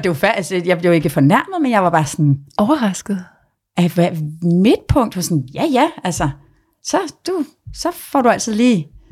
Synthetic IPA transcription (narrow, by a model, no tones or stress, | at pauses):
d̥e̝ʋɑfæsejɑ̈ɪb̥le̝ʊe̝ɡ̥əfɒ̽næɐ̰mð̞̩ˠmenjɑɪʋɑ̈b̥ɑ̈ːsɒnɒʊɐʁɑsɡ̥ð̩ˠ | ʔæʋæme̝d̥̚pʰɔ̽ŋ̰d̥ʋɑsɔnjæjæælsɐ | sɒ̽d̥u | sɒ̽fɒɾ̥uæl̰t͡sʰiðˠliː